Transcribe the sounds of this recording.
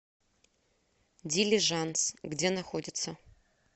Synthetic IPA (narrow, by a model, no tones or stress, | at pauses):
dʲilʲiʐansɡdʲenaxodʲɪt̪sɐ